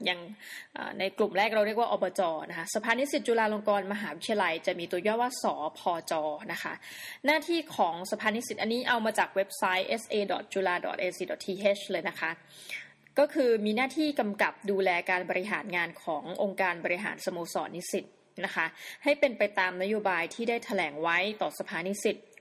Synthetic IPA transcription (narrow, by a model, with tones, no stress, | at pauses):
ja˨˩ŋʔə̰ː˨˩na˧jklu˨˩mɾɛː˥˩k̚ɾa˧wɾi˥˩əkwaː˥ʔɔː˧bɔː˧t͡ɕɔː˧na˦˥kʰa˦˥sa˧pʰaː˧ni˦˥si˨˩t̪̚t͡ɕuː˧laː˧loː˧ŋkɔː˧nma˧ɦaː˩˦wi˦˥t̪ʰi˧a˧la˧jt͡ɕa˨˩miː˧t̪u˧jɔː˥˩t̪̚waː˥˩sɔː˩˦pʰɔː˧t͡ɕɔː˧na˦˥kʰa˦˥ʔ | naː˥˩t̪ʰiː˥˩kʰɔː˩˦ŋsa˧pʰaː˧ni˦˥si˨˩ʔa˧nːiː˦˥ʔa˧wmaː˧t͡ɕaː˨˩k̚we˦˥p̚sa˦˥jʔe˦˥sʔeː˧dɔ˨˩t̪̚t͡ɕuː˧laː˧dɔ̰˨˩t̪ʔeː˧siː˧˩dɔ˨˩t̪ʰiː˧ɦe˦˥t͡ɕlɤː˧jna˦˥kʰa˦˥ | kɔː˥˩kʰɯː˧miː˧naː˥˩t̪ʰiː˥˩ka˧mka˨˩p̚duː˧lɛː˧kaː˧nbɔː˧ɾi˦˥ɦaː˩˦nŋaː˧nkʰɔː˩˦ŋʔo˧ŋkaː˧nbɔː˧ɾi˧˥ɦa̰ː˩˦nsa˧moː˧sɔ̰ː˩˦ni˦˥si˨˩t̪̚ | na˦˥kʰa˦˥ha˥˩jpe˧npa˧jt̪aː˧mna˦˥joː˧baː˧jt̪ʰiː˥˩daː˥˩jt̪ʰa˧lɛː˩˦ŋwa˦˥jt̪ɔː˨˩sa˧pʰaː˧ni˦˥si˨˩t̪̚